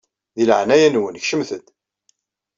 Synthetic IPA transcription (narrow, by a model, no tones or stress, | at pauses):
ðilʕnæjænwənçʃəmθəd̪